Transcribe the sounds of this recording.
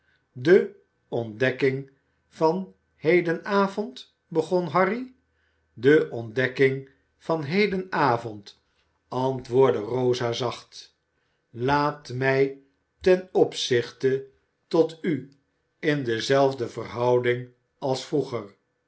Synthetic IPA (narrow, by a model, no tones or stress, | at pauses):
də | ɔndɛkɪŋ | vɑn | hejdənaːvɔnt | bəχɔnɦɑri | dəʔɔndɛkɪŋ | v̥ɑnɦejdənaːvɔnt | ɑntʋʊːɹdərowzaːzɑχt | laːtmɛj | tɛnɔpsɪχtə | tɔty | ɪndəzɛlˠvdəvərɦɑwdɪŋ | ɑlˠsfruχəɹ